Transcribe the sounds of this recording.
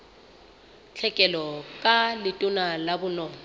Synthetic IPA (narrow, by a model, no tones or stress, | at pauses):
t͡ɬʰɛkʼɛlɔkʼalɪtʼʊnalabʊnɔːŋɔ